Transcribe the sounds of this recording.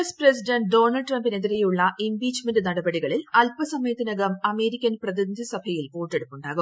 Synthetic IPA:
spresidɐɳʈ̚ɖo̞ːnɐlɖʈrɐmbine̞ðiɾejuɭːɐʔimbiːt͡ɕmendɨnɐɽɐbɐɽiɣɐɭilɐlpɐsɐmɐjɐt̪ːinɐɣɐmɐme̞ːɾikʲːɐnprɐðind̪ʱisɐbʱɐjilpoːʈːe̞ɽupːuɳɖaːɣum

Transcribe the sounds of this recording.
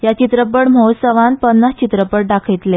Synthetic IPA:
jat͡ɕit̪ɾəpəɽm̤əwsəʋãnpənːast͡ɕit̪ɾəpəɽɖakʰejt̪le

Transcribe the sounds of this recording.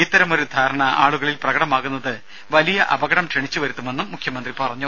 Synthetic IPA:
it̪ːɐɾɐmo̞ɾud̪ʱaːɾɐɳɐaːɭuɣɐɭilprɐɣɐɽɐmaːɣunːɐðɨ | ʋɐlijɐʔɐ̰bɐɣɐɽɐmʂeɳit͡ɕːuʋɐɾut̪ːume̞nːumːukʰjɐmɐnd̪ripɐrɐɲːu

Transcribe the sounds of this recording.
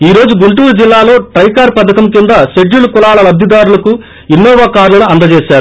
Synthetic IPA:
iːɾo̞ːd͡ʒuɡuɳʈuːɾud͡ʒilːaːlo̞ːʈɾɐjkaːɾpɐd̪ɐkɐmkind̪ɐʃeɖːulukulaːlɐlɐbd̪ʱid̪aːɾulɐku | inːɔːʋɐkaːɾlɐnuɐnd̪ɐt͡ʃeːʃaːɾu

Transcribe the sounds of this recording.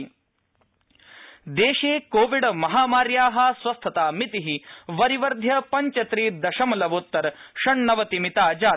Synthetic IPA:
d̪eːʃeːkoːʋiɖmɐɦaːmaːɾjaːɦɐ̆sʋɐst̪ʰɐt̪aːmit̪iɦiʋɐɾiʋɐɾd̪ʱjɐpɐɲt͡ʃɐt̪ɾid̪ɐʃɐmɐlɐʋut̪ːɐɾʃɐɳnɐʋɐt̪imit̪aːd͡ʒaː

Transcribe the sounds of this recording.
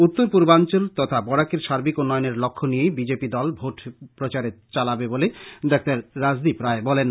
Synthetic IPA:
ut̪ːoɾpuɾbant͡ɕolt̪ɔt̪ʰabɔɽakeɾʃaɾbikonːɔjoneɾlokʰːonijejbid͡ʑepid̪ɔlbʱoʈpɾot͡ɕaɾet͡ɕalabeboled̪ɛk̚ʰt̪aɾːad͡ʑd̪ipɾaebɔlen

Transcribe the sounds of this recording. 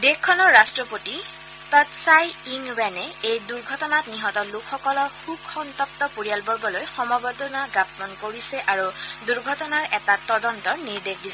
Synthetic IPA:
dekʰːɔnɔɹːastɹɔpoti | tɔtsajiŋbɛnɛejduɹɡʱɔtɔnatniɦɔtɔlukʰxɔkɔlɔɹxukʰxɔntɔk̚tɔpuɹijalbɔɹɡɔlojxɔmɔɡɔtɔnaɡapmankoɹisɛʔaɹuduɹɡʱɔtɔnaɹʔɛtatɔdɔntɔniɹdekʰdisɛ

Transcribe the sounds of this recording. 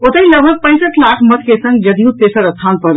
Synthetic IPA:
ot̪əĩləbʱək̚pə̃ɪsəʈlakʰmət̪ʰkesə̃ŋɡ̚d͡ʒəd̪ijũt̪eːsəɾət̪ʰanpəɾ

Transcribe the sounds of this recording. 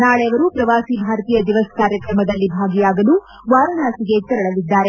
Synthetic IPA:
naːɭɛjɐʋɐɾupɾɐʋaːsibʱaːɾt̪ijɐd̪iʋɐskaːɾjɐkɾɐmɐd̪ɐlːibʱaːɡijaːɡɐlu | ʋaːɾɐnaːsiɡe̞t͡ʃ̪ɛɾɐɭɐlid̪ːaːɾe̞

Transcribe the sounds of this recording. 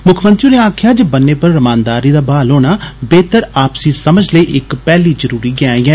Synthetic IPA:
mʊkʰmə̃nt̪ɾiːneːaːkʰjaːd͡ʒəbənːeːpəɾːəmãːnd̪aːɾiːd̪aːbaːloːñaːbeːt̪əɾaːpsiːsəməd͡ʒʱləiːʔɪkpɛːliːzəɾuːɾiːɡɪaːɛː

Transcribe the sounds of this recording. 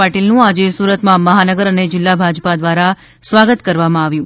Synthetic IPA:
aʈilnũad͡ʒesuɾət̪mãməɦanəɡəɾəned͡ʒɪlːabʱad͡ʒpad̪ʋaɾa | sʋaɡət̪kəɾʋamãaʋjũ

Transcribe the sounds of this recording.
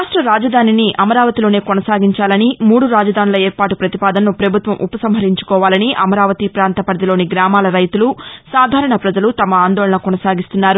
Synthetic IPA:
ʂʈɾɐɾaːd͡ʒɐd̪ʱaːniniʔɐmɐɾaːʋɐt̪ilo̞ːne̞ːkonɐsaːɡiɲt͡ʃaːlɐnimuːɽuɾaːd͡ʒɐd̪ʱaːnilɐeːɾpaːʈupɾɐt̪ipaːd̪ɐnːupɾɐbʱut̪ʋɐmʔupɐsɐmɦɐɾiɲt͡ʃu̥kɔːʋaːlɐniʔɐmɐɾaːʋɐt̪ipɾaːnt̪ɐpɐɾd̪ilo̞ːniɡɾaːmaːlɐɾɐjt̪ulusaːd̪ʱaːɾɐɳɐpɾɐd͡ʒɐlut̪ɐmɐaːnd̪ɔːlɐɳɐkɔnɐsaːɡist̪unːaːɾu

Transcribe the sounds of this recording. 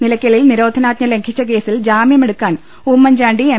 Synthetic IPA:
nilɐkʲːɐɭilniɾo̞ːd̪ʱɐnaːt̪ɲɐle̞ŋkʰit͡ɕːɐk̬e̞ːsild͡ʑaːmjɐme̞ɽukːaːn | uːmːɐɲd͡ʑaːɳɖie

